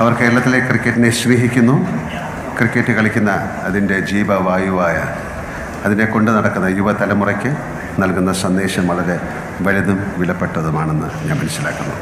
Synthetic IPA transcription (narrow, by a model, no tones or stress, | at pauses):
ɐʋɐrkeːɾɐɭɐt̪ːilekrikʲːɐʈːine̞sʋiːɦikʲːunːu | krikʲːeʈːɨkɐɭikʲːunːɐː | ðinde̞d͡ʑiːbɐʋaːjuʋaːjɐː | ðine̞ko̞ɳɖɨnɐɽɐkːunːɐjuʋɐt̪ɐlɐmurɐkʲːɨ | nɐlkunːɐsɐnd̪e̞ːɕɐmɐɭɐðe | ʋɐliðumʋilɐpːe̞ʈːɐðumaːɳe̞nːɨɲaːnmɐnɐsilaːkːunːṵ